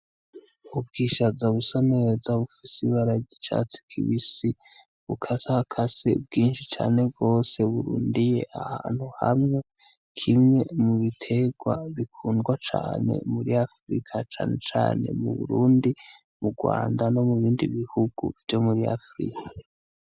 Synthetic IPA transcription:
ubɡiʃazaβusanezaβufisiβaɾaɟit͡ʃa̰t͡si̥kʰḭβisi | βukʰasahakʰasḛb̚ɡiːnʃit͡ʃa̰ːne̞ɡo̞ːse̞uβuɾuːndije̞ʔahaːn̥huha̰mŋe | kʰimŋe̞muβitʰe̞ɡwa̰βikʰuːndɡwat͡ʃaːne̞̰muɾiafɾḭkʰat͡ʃaːne̞t͡ʃa̰ːne̞̰mṵβṵɾuːndi | muɡwa̰ːndano̞muβiːndḭβihuɡ̥ṵvjo̞muɾia̰fɾḭkʰḁa

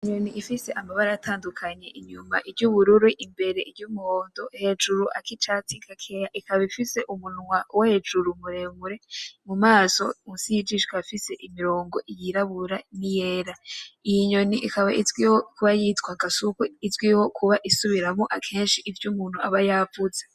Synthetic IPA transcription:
iɲoniifise̞ʔamaβaɾaatʰaːndukʰaɲe̞ʔiɲuma̰ʔiɾɟuβuɾuɾiʔimbe̞ɾe̞iɟumuho̞ːndo̞he̞d͡ʒuɾuʔa̰kit͡ʃatikʰakʰejaʔikaβifise̞ʔumunŋwawed͡ʒuɾumuɾe̞βuɾe̞mumaːso̞usijid͡ʒiʃkafise̞ʔimiɾo̞ːŋɡo̞ʔijiɾaβuɾanije̞ːɾaijiɲo̞niʔikaβaʔizɡwiwokuβajitɡwaɡasukuizɡwiwo̞kʰuβaʔisuβiɾamoʔakʰe̞ːnʃiʔːvjumuːn̥huaβajavuz̥e

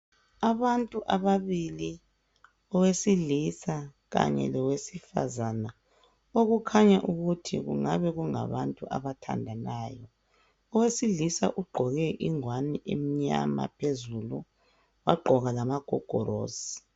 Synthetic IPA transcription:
aβantʼuʔaβaβili | ɔwesilisa | ɣa̰ɲɛ̰lɔwesifa̰zana | oɣukʰaɲaʔuɣutʰiɣṵŋaβɛɣuŋa̰βantʼuʔa̰βatʰa̰ndʱanaːjɔ | ɔwesilisa̰ʔuɡ͡ǃʱɔɣɛʔiŋwaniʔem̩ɲa̰ma̰pʰezulu | wa̰ɡ͡ǃʱɔɣalamaɡ̥ʱɔɡ̥ʱɔɾo̰ːzi̥

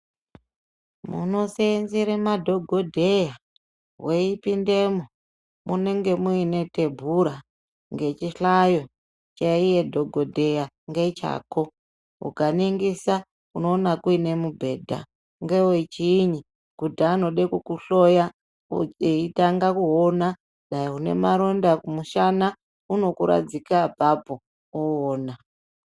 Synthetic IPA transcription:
mṵno̞seenziɾemadʱo̞ɡʱodʱeja | weipindemo | mune̞ŋɡe̞muine̞te̞bʱuɾa | ŋɡe̞t͡ʃiɬajo̞ | t͡ʃaije̞dʱoɡʱodʱe̞ja | ŋɡe̞t͡ʃa̰ːko | ṵkaniŋɡisa | uno̞ːnakuine̞mubʱe̞ːdʱa̰ | ŋɡewoit͡ʃiːɲi | kudaːno̞ɗekukuɬoja | eitaŋɡakuona | ɗaiɦune̞̰maɾo̞ndakumuʃana | uno̞kuɾa̰d͡zikabʱapo | uoːna

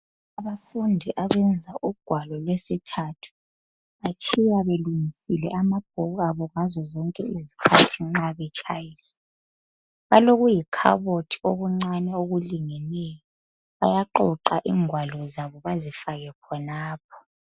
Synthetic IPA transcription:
aβafundʱiʔaɣɛnd͡zʱaʔuɡ̥ʱwalɔlwesitʰatʰu̥ | βat͡ʃʰʼijaβeluŋisilɛ̰ʔamab̥ʱɔɣaβɔŋazɔzɔŋkʼɛizikʰatʰiŋ͡ǁaβɛt͡ʃʼʰajiːsɛ̥ | βaloɣujikʰa̰βotʰi̥oɣuŋ͡ǀanɛoɣuliŋɛnɛjɔ | βajaǃɔǃaʔiːŋwalɔzaβɔβazifaɣɛkʰɔnaːp̚ʰɔ̥

